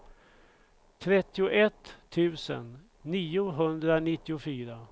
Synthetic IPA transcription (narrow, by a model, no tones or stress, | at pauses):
t̪ʰɾɛt̪ːɪʊʔɛt̪ʰːʉ̟ːsə̰nː | iːʊɦɵnd̪ɾanɪt̪ːɪʊfyːɾa